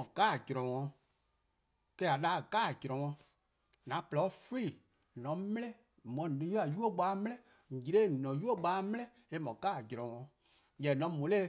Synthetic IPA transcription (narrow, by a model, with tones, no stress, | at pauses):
ɔ̃˨ɡ̥a˦˨d͡ʒɾɔ̃˨wɔ̃˧ | kɛ˦a˨ɗa˦˨ɡa˦˨d͡ʒɾɔ̃˨wɔ̃˧ | nã˨˦plɔ˨˦fi˦˨ | nɔ̃˨˦m˦lɛ̃˦ | mɔ̃˨nĩ˨˦ju˦a˨ju˦o˦ɡ͡baː˨˦m˦lɛ̃˦ | ŋ̩˨d͡ʒi˨ɾe˦˨nɔ̃˨ju˦o˦˨ɓaː˨˦m˦lɛ̃˦ | e˨˦mɔ̃˨ɡaː˦˨d͡ʒɾɔ̃˨wɔ̃˧ | jɛ˨nɔ̃˨˦mũ˨˦le˦